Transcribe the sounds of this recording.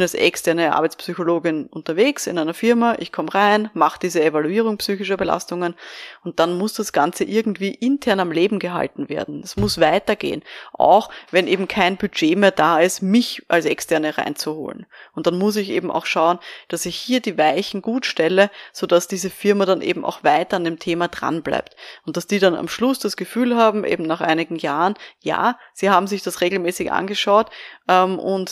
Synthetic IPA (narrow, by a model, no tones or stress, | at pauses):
ɪnalsʔɛ̰kstʰɛɐnəa̰ɐbɛɪt͡spsyçoloːɡɪnʔʊntɐveːksɪ̰næɪnɐfɪɐmaʔɪçkʰɔmʁaɪnmaχd̥iːzəevaluiːʁʊŋpsyːçɪʃɐbəla̰stʊŋənʊnt̚d̥anmʊsd̥asɡ̥ant͡səʔɪɐɡŋ̩tv̥iːʔɪntʰɛɐnamleːbm̩ɡəɦa̰ltn̩veːɐdn̩ɛsmʊsvaɪtɐɡḛːənʔa̰ʊxvɛnʔeːbm̩kʰaɪnbyd͡ʒeːmeːɐdaːɪstmɪçʔalsɛ̰kstʰɛɐnəʁa̰ɪnt͡suho̰ːlənʊntd̥anmʊs̬ɪçʔḛːbm̩ʔa̰ʊxʃaʊənd̥asɪçhiːɐdiːvaɪçn̩ɡ̥uːtʃtɛləz̥od̥asd̥iːzəfɪɐmaɾanʔḛːbm̩ʔa̰ʊxv̥aɪtɐandeːmtʰeːmadʁa̰nbla̰ɪp̚tʊnt̚d̥asd̥iːɾana̰mʃlʊsd̥asɡ̥əfyːlhaːbm̩ʔḛːbm̩naχʔa̰ɪnɪɡŋ̩jaːʁənja̰ː | z̥iːhaːbm̩zɪçd̥asʁeːɡl̩mɛːsɪçʔa̰nɡəʃaʊtʔɛmʔʊ̰nt